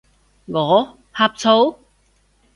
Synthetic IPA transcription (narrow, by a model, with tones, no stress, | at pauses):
ŋɔː˨˧˦ | haː˧p̚t͡sʰo˨˧˥w